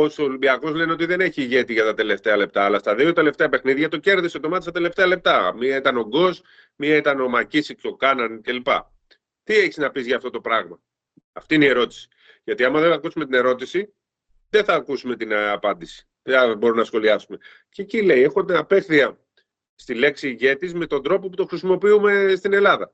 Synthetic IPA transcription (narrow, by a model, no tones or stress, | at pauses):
osolimbiɐko̞zle̞neot̪iðe̞ne̞çiːʝe̞t̪iʝɐt̪ɐt̪e̞le̞ft̪e̞ɐle̞p̚t̪ɐːlɐst̪ɐðio̞t̪e̞le̞ft̪e̞ɐpe̞xniðʝɐt̪o̞ce̞ɾðisot̪o̞mɐt̪st̪ɐt̪ele̞ft̪e̞ɐle̞p̚t̪ɐmiɐit̪ɐno̞ɡo̞z | miɐit̪ɐno̞mɐcisikso̞kɐnɐnce̞lipɐ̰ | t̪ie̞çiznɐpizʝɐːft̪o̞t̪opɾɐɣmɐː | ft̪iineie̞ɾo̞t̪i̥si̥ | ʝɐt̪iɐmɐðe̞θɐkusumet̪ine̞ɾo̞t̪isi | ðeθɐːkusume̞t̪inɐpɐnd̪isi̥ | ðbo̞ɾunɐsxo̞liɐsume̞ | cecile̞je̞xot̪ɐpe̞θiɐ | st̪ile̞ksiːʝe̞t̪izme̞t̪o̞nd̪ɾo̞po̞put̪o̞xɾisimo̞piume̞st̪ine̞lɐðɐ